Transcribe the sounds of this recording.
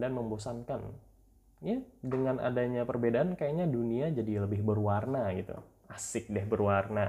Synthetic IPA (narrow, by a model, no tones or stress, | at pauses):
danməmbosankan | jadəŋana̰daɲapərbedaankajaɲaduniad͡ʒadiləbɪhbərwarnaɡit̪ṵ | asɪk̚dɛhbərwarna